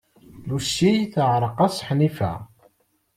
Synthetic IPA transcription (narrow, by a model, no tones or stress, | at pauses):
lusːijθəʕɾˤəqɑsħnifæ̰